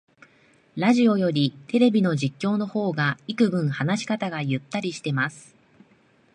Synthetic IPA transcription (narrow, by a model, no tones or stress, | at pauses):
ɾaʑio̞jo̞ɾʲit̪e̞ɾe̞bʲino̞ʑikʲːo̞ːno̞ho̞ːɡaikɯ̟bɯ̟̃ɴ̃hanaɕi̥kat̪aɡajɯt̪ːaɾʲiɕi̥t̪e̞masɨ̥